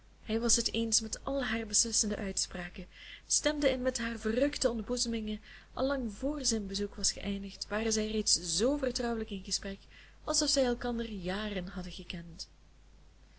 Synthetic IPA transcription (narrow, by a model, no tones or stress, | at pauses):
hɛjʋɑsɦəteːnsmɛtʔɑlˠɦaːrbəslɪsəndə̰ʔœɥtspraːkəstɛmdəɪnmɛtɦaːrvərɵktəɔndəbuzəmɪŋə | ʔɑ̰lːɑŋvoːrzɪnbəzukʋɑsχəʔɛjndəxtʋaːrəzɛjreːtszoːvərtrɔwələkɪnɣəsprɛk | ɑlˠsɔfsɛjɛlˠkɑndərjaːrənɦɑdəɣəkɛnt